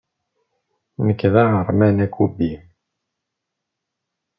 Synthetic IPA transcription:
nəkːðæʁəɾˤmænækːubi

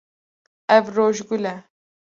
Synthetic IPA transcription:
ɛvroːʒɡulɛ

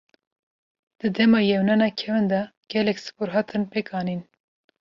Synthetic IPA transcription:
d̪̥ɨd̪ɛmɑːjɛwnɑnɑkʰɛvɨnd̪ɑɡ̥ɛlɛksɨ̥puɾɦɑːt̪ʰɨnpʰekɑːnin

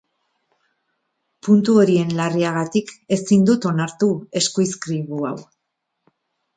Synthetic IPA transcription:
punt̪uo̞ɾie̞nlariaɣ̞at̪ike̞sind̪ut̪o̞naɾt̪ue̞skujskɾiβua̰w

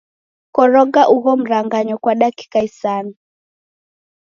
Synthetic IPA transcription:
kɔɾɔɡaʔuɣɔm̩ɾaŋɡaɲɔkwaɗaki̥kaisani

